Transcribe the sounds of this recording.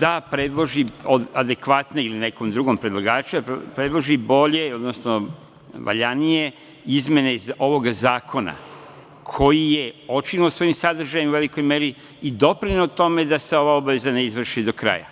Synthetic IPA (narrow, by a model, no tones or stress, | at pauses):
d̪̥apɾe̞d̪lˠo̞ʒiod̪ad̪e̞kʋat̪ne̞iline̞ko̞md̪ɾuɡo̞mpɾed̪lˠaɡaːt͡ʃupɾe̞d̪lˠo̞ʒibo̞ʎe̞o̞d̪nosno | ʋʔa̰ʎanije̞ | izmje̞ne̞zo̞ʋo̞ɡazaːkʰo̞na̰ | kʰo̞jije̞o̞t͡ʃinilosʋo̞jimsad̪r̩ʒajimuʋe̞liko̞jme̞ɾiː | d̪o̞pɾinout̪o̞me̞d̪ase̞o̞ʋaobaʋe̞zane̞izʋr̩ʃid̪o̞kɾa̰ja̰